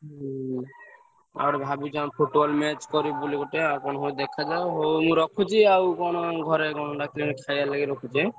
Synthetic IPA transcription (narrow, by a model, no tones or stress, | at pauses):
a̰ɔɾbʱabid͡ʒapʰuʈbɔlmɛt͡ʃkɔɾibulikɔʈeakɔnɔɦɔd̪ɛkʰːad͡ʒaeɦowmũɾɔkʰut͡ʃʰiawkɔnoɡʱɔɾekɔnɔɖakʰilinkʰajalaɡeɾɔkʰut͡ʃʰi